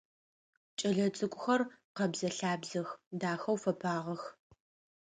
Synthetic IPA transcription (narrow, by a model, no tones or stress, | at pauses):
t͡ʃʼɐɮɐt͡sʼɨkʷʼʊxɐrqɐbzɐɬaːbzɐxdaːxɐwfɐpʰaːʁɐx